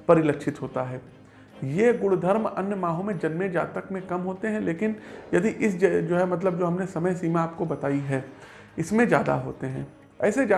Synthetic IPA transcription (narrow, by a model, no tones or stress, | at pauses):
pɐɾɪlɐkʃʰɪt̪ɦoːt̪aɦɛː | jeɡʊɽd̪ʱɐɾmɐ̰njəmaːɦõmẽd͡ʒɐnmẽd͡ʒa̰ːt̪əkmẽkɐmɦoːt̪eɦɛ̃leːkɪnjɐd̪iʔɪsd͡ʒd͡ʒoːɦɛmɐt̪̬ləb̚d͡ʒoːɦɐmnesɐməjsiːmãaːp̚kobɐt̪aːiɦɛː | ɪsmẽd͡ʒja̰ːd̪a̰ɦo̰ːt̪eɦɛ̃ː | ɛːsed͡ʒaː